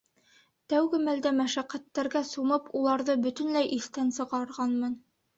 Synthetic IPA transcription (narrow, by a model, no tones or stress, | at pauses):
t̪æwɡɘmæld̪æmæʃæqːæt̪ːæɾɡæsumɤpulˠɑɾðɤbɵ̆t̪ɵ̆nlæjʔiθt̪ænsɤ̆ʁɑɾʁɑnmɤn